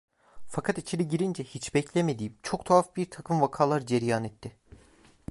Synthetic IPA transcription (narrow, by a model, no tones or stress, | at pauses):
fakʰat̪it͡ʃʰiɾiɟiɾind͡ʒɛhit͡ʃbɛcʰlʲeme̞d̪iːmt͡ʃʰo̞k̚t̪ʰaafbiɾt̪ʰakʰɯmvakʰaːlˠaɾd͡ʒeɾjaːnɛt̪ʰːɪ